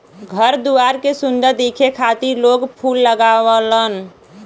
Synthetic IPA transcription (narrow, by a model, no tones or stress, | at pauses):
ɡʱəɾd̪uaɾkesund̪əɾd̪ekʰekʰat̪iɾloɡpʰulːəɡaʋələn